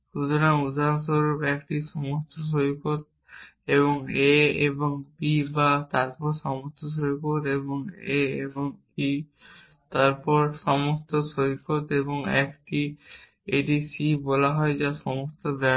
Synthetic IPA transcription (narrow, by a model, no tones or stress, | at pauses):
ʃut̪oɾaŋud̪ʱaɾansoɾupɛkʈiʃɔmost̪oʃ̬ojikot̪̚ | eβoŋeeboŋbibat̪aɾpɔɾʃɔmost̪oʃ̬ojikot̪eboŋeeboŋ | i | t̪aɾpɔɾʃɔmost̪oʃoikʰot̪eboŋɛ̰kʈi | eʈisibɔlaɦɔed͡ʑaʃɔmost̪obɛ